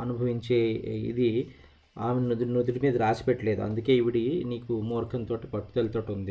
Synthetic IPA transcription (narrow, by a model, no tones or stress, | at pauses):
ɐnubʱɐʋiɲt͡ʃeːḭd̪i | aːmennud̪nud̪iɾimiːd̪ɐɾaːt͡ʃi̥peʈːɐle̞ːd̪uɐ̰nd̪uke̞ːiʋiɽiniːkumoːɾkʰɐnt̪oːʈi̥pɐʈːu̥t̪ɐlt̪oʈːund̪i